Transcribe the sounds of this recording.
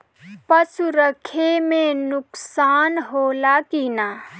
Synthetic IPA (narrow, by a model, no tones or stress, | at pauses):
pəsuɾəkʰemẽnʊksaːnɦolakina